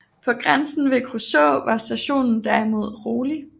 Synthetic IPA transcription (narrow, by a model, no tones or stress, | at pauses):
pʰɒ̽ɡ̥ʁansn̩ʋe̝kʰʁosɔ̰ʊʋɑ̈sd̥æɕo̝̰ːnn̩d̥æɐimo̝ð̞̰ˠʁoːli